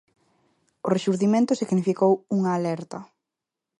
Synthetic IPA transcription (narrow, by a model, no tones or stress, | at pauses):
ʊreʃuɾðimẽnt̪ʊsiɣnifikowuŋaːlɛɾt̪ɐ